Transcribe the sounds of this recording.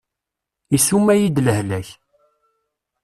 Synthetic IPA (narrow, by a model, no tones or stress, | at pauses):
isumːæjid̪ləhlæç